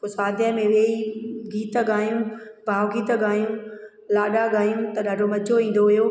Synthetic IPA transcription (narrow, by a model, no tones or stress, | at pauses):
kosaːd̪ʱjəmẽʋeːiɡiːt̪ɡaːjũbʱaːʋɡiːt̪ɡaːjũ | laːɗaɡaːjũt̪ɐɗaːɖʱomɐd͡ʑʱoĩːn̆d̪oɦʊjoː